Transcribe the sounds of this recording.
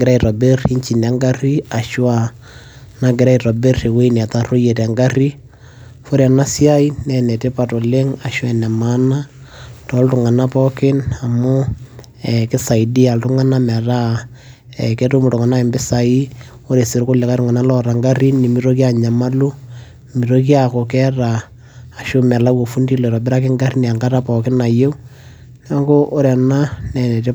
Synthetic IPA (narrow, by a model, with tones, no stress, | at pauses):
ɡɪɾa˦i˨ɾɔ˨be˦ri˦ɲt͡ʃi˨nɛ˨˦ŋɡa˦ri˦a˨ʃwa˦ | na˦ɡɪ˨ɾa˦iɾɔ˨be˦re˨we˦in˨a˨ta˦ro˦je˨tɛ˨ŋɡa˦ri˦ | fo˦ɾa˨na˦sja˦i˦nɛ˨nɛ˨te˦pa˨to˨le˦ŋa˨ʃwɛ˨nɛ˨ma˦na˦ | tɔ˨˦ltʊ˨ŋa˨na˦pɔ˦kɪ˦na˨mʊ˦ | ɛkɪ˦sa˨i˨di˦a˨ltʊ˦ŋa˦na˦mɛ˨ɾa˦ | ɛ˨kɛ˦tu˦mu˨tʊ˨ŋa˨na˦ɪ˨mbɪ˦sa˨i˦ | o˦ɾe˨sɪ˨ɾkʊ˦le˨ka˦ɾʊ˦ŋa˨na˦lɔ˦ɾa˨ŋɡa˦ɾi˦nːi˨mi˦ɾo˦ki˦a˨ɲa˨ma˦lu˦ | mi˨ɾo˦ki˦a˨ko˨kɛ˦raː˨ | ʃu˦mɛ˨la˦wo˨fu˦ndi˦lɔ˨ɾɔ˨bɪ˦ɾa˦k̬ɪ˦ŋɡa˦ɾi˦n˨a˨ŋɡa˦ɾa˦pɔ˨kɪ˦na˨je˦ | na˦ŋɡo˦ʔo˦ɾɛ˨na˦nɛ˨nɛ˨te˦